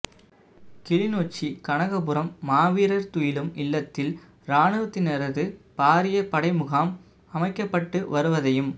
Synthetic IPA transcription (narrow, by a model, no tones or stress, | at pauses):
kɪɭɪnoːt͡ʃːikɐɳɐɣɐpɯɾɐmːaːʋiːɾɐɾt̪ʊjɪlɯmɪlːɐt̪ːɪl | ɾaːɳɯʋɐt̪ːɪnɛɾɐðɯpaːɾɪjɐpɐɽɐɪmɯɣaːm | ɐmɐɪkːɐpːɐʈːɯʋɐɾɯʋɐðɐjɯm